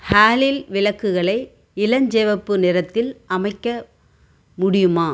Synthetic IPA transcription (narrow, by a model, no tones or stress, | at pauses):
haːlɪlʋɪlɐkːɯɣɐɭɐɪ | ɪlɐɲd͡ʒɛːʋɐpːɯnɪɾɐt̪ːɪlʔɐmɐɪkːɐ | mʊɽɪjɯmaː